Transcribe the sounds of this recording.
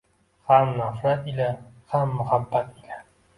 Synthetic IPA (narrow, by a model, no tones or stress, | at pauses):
hamnafɾat̪ila | hamːʊhabːat̪ila